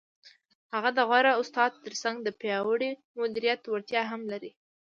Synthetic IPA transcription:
haɣad̪əɣwaɾaʊst̪ɑd̪̚t̪ːəɾsaŋɡd̪əpjɑwəɽi | mʊd̪iɾijat̪waɾt̪jɑɦamlaɾi

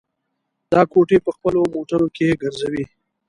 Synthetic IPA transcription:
d̪̥ɑkoʈepəxpəlomoʈənokeɡəɾzawi

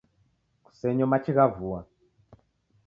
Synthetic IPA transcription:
ku̥sɛɲɔmat͡ʃiɣavuwa

